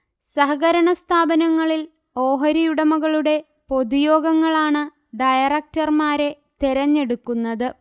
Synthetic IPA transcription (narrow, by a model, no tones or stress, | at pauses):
sɐɦɐɣɐɾɐɳɐst̪ʰaːbɐnɐŋːɐɭil | o̞ːɦɐɾijuɽɐmuɣɐɭuɽe̞ | po̞d̪ujo̞ːɡɐŋːɐɭaːɳɨ | ɖɐjɐrɐk̚tɐrmaːɾe̞ | t̪eɾɐɲːe̞ɽukːunːɐðɨ